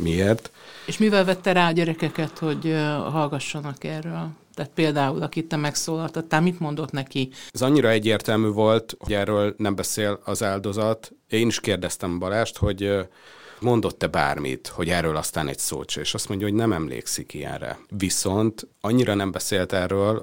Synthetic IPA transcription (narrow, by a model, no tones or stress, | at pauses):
mieːrt̪eːʃmivɛlvɛt̪ːɛɾaːɒɟɛɾɛkɛkɛt̪ho̞ɟɦɒlɡɒʃːɒnɒkɛrːøːlt̪aːt̪̚peːld̪aːulɒkit̪ːɛmɛksoːlɒlt̪ɒt̪ːaːmit̪mo̞nd̪o̞t̪nɛkiɛzɒɲːiɾɒɛɟːeːrt̪ɛlmyːvo̞lt̪hoɟɛrːøːlnɛmbɛseːlɒzaːld̪o̞zɒt̪ | eːniʃkeːrd̪ɛst̪ɛmbɒlaːʃt̪ho̞ɟ | mo̞nd̪o̞t̪ːɛba̰ːrmḭt̪ho̞ɟɛːrːøːlɒst̪aːnɛ̰cso̰ːt͡ʃɒeːʃɒst̪mo̞ɲɟɒɦo̞ɟnɛmɛmlḛːksikijɛ̰nrɛ̰viso̞nt̪ɒɲːiɾɒnɛmbɛseːlt̪ɛrːøːl